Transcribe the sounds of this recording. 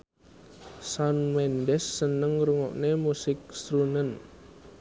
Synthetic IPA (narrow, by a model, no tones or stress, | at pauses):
sanmɛndɛsːənəŋɾuŋɔ̰ʔnemusɪk̚sɾunən